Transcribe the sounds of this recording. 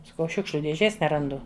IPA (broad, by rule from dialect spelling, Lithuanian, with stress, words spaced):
sɐˈkɐʊ ˈʃʲʊkʃʲlʲʊ dʲeːˈʒʲeːs nʲɛrɐnˈdʊ